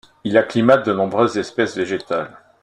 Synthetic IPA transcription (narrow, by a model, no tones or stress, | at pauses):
ilaklimat̪̚d̪ənɔ̃bʁøzːɛspɛsveʒet̪al